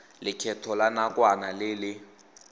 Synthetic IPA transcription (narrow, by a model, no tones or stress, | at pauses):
lɪkʰɛtʰɔlanakʼwanalɪːlɪ